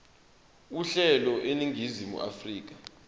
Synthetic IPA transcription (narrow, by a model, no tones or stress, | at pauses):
uɬɛlɔʔeniŋʱizimṵʔa̰friːk̬ḁ